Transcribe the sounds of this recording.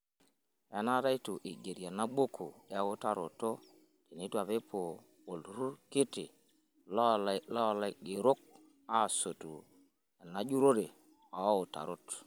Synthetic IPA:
e˦na˦ɾa˦jtu˨ʔi˨ɡe˨ɾja˨na˦ɓo˦kʰṵ˨e˦o˦ta˦ɾo̰˨to˦ | ti˨ni˦tu˦˨a˨βe˦poː˨ | lɾu˦ɾki˦tḭ˨ | llla˦˨la˦ɡi˨ɾo˦k̚ | a˦˨so˨tṵ˨ | a˨na˦d͡ʒu˦ɾo˦de˨ | a˨˦o˨ta̰˨ɾo˦t

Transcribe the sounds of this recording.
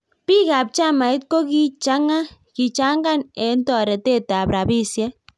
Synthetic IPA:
pi˦ka˨p̚t͡ʃa˦ma˨i˦t̪̚ko˦ki˦t͡ʃa˦ŋa˦ki˨t͡ʃa˦ŋɡa˦˨nɛ˨˦ntɔ˨ɾɛ˨te˦˨ta˨pɾa˨bi˦sjɛ˦

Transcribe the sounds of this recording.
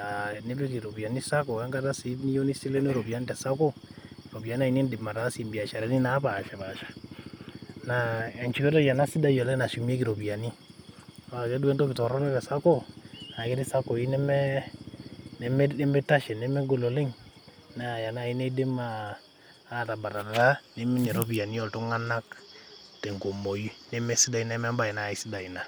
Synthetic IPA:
a˨ne˦be˦ki˨ɾo˨bi˨a˨ni˦sa˦kɔ˨a˦ŋɡa˦ta˦si˨˦ni˦jo˦ni˦si˦lɛ˦no˦ɾo˨bi˨a˨˦n˦tɛ˨sa˦ko˦ɾo˨bi˨a˨ni˦a˨i˦ni˦ndɪ˨ma˨ta˨˦si˨mbi˨a˨ʃɛ˨ɾɛ˨˦ni˦na˨˦pa˨ʃa˨ba˨ʃḁ˨ | na˨ɛ˨nt͡ʃi˨kɔ˦dɔ˦ja˨na˦si˦da˦jɔ˨lɛ˦na˨ʃi˨km˦e˦ki˨ɾo˨bi˨a˨ni˦˨ | a˨kɛ˦du˦ɛ˦ntɔ˦kɪ˨tɔ˨ɾɔ˦nɛ˦tɛ˨sa˦ko˦˨a˨kɪ˦ɾi˦sa˦ko˨i˦nɛ˦mɛ˦ | nɛ˦mɛ˦e˦mɛ˦ta˦ʃɛ˨nɛ˦mɛ˦ɡo˨lo˨le˦ŋ | na˦˨ja˨na˦˨i˦ne˦de˦maː˦˨ | ta˨ba˨ɾa˨ɾa˨ɾa˦ne˦mi˦nɛ˨ɾo˦pi˨ja˨ni˦ɔ˨ltu˦ŋa˦na˦ktɛ˨ŋko˨mo˨ji˦nɛ˦mɛ˦si˦da˨i˦na˦mɛ˦mba˦i˨na˨i˦si˦da˨i˨na˨

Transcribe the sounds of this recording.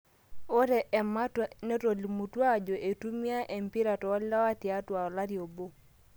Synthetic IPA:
o˦ɾɛ˨ʔɛ˨ma˦tne˦to˨li˨mu˨twa˦d͡ʒo˨ʔe˨tu˦mja˦ʔe˨mpi˦ɾa˨tɔ˨ɔ˦lla˦wa˦ti˨a˦twa˨ɔ˨la˦ɾjo˨bo˦

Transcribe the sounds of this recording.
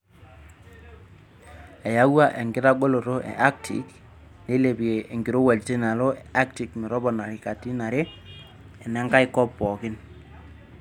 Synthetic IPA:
ɛ˨ja˦wa˦ʔe˨ŋɡɪ˦ta˦ɡo˦lo˨ɾo˦ʔɛ̰˨ʔa˦k̚tʰḭ˨˦k | le˦le˨bi˨e˨e˨ŋɡɪ˨ɾo˦wɛ˨lte˦na˨lo˦a˦k̚ti˨kmɛ˨ɾɔ˦bɔ˨na˨ɾi˨ka˨ti˦na˨ɾe˦ | ɛ˨nɛ˦ŋɡa˦i˦kɔ˦pːɔ˨kɪ˦n

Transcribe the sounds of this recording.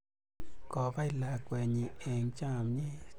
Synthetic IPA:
kɔː˧˨ba˧˨jla˧˨kwɛː˨˧˨ɲi˧˨ʔe˨ŋt͡ʃa˧˨mɲi˦˧˨

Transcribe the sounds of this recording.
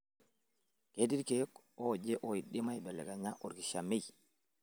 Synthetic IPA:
kedi˦ɾkɛ | ɔd͡ʒɛ˦ʔɔiɗːi˦ma˦jbɛ˨lːɛ̰˨ɡa˨ɲa˦ʔɔ˨ɾki˨ʃame˦j

